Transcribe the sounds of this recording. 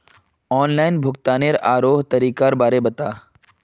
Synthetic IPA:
ɔːnlaːɪnbʱʊkt̪aːneɾaːɾoːɦt̪ɐɾiːkaːɾbaːɾebɐt̪aː

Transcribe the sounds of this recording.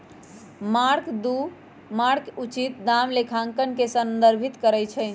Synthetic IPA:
maɾkd̪u | maɾkut͡ʃit̪̚d̪amlekʰãŋkənkesənd̪əɾbʱit̪kəɾɛjt͡ʃʰɛ

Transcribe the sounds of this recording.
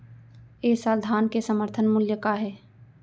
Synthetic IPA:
eːsaːld̪ʱaːnkesəməɾt̪ʰənmʊljəkaɦɛː

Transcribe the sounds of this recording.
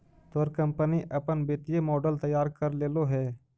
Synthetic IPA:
t̪oɾkɐ̃mpəniʔɐpənbeːt̪ijemɔːɖəlt̪ɐjːaːɾkəɾleːloɦɛː

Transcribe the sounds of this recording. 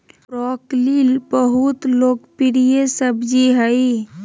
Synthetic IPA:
ɾɔklilbəɦut̪loːkpiɾijesəbd͡ʒiɦəi

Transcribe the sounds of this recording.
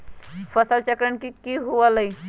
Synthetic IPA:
pʰəsəlt͡ʃəkɾənkikiɦuələj

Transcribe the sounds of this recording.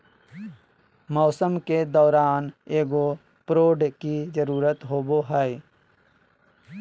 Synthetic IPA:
mɔːsəmked̪ɔːɾaːneːɡo | pɾoːɖkid͡ʒəɾuːɾət̪ɦoːboɦɛ

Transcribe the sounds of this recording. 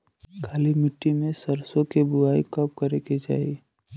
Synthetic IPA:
kʰaːlimɪʈːimẽsəɾsõkebʊaːikɐp̚kɐɾeked͡ʒa̰ːi

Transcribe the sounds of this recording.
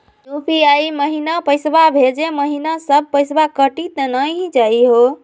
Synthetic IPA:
d̪upʰiaiməɦinapəjsbabʱed͡ʒeməɦinasəb̚ʱpəjsbakəʈit̪nəjɦd͡ʒaiɦo

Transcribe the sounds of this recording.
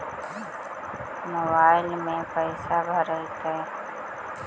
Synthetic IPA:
moːbaːɪlmẽpəɪsabʱəɾəit̪əe

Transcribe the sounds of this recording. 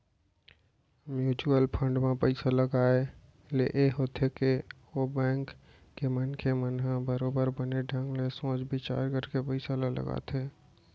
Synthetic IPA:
mjuːt͡ʃuəlpʰə̃ɳɖmãpəɪsaləɡaːe | leʔeɦoːt̪ʰeke | obɛ̃ːŋkː | emənkʰemənɦãbəɾoːbəɾbəneɖʱə̃ŋɡlesõːd͡ʒbʱɪt͡ʃa̰ːɾkəɾkepəɪsaləɡlə̰ɡa̰ːt̪ʰeː

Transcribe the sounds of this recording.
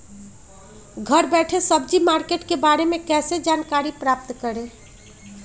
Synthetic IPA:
ɡʱəɾbɛʈʰesəb̚d͡ʒimaɾkeʈkebaɾemekɛːsed͡ʒankaɾipɾaːp̚t̪kəɾẽ

